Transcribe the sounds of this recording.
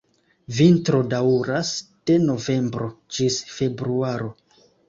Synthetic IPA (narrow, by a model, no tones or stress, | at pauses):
vintɾo̞dauɾasd̥e̞no̞ve̞mbɾo̞d͡ʒisfe̞bɾuaɾo̞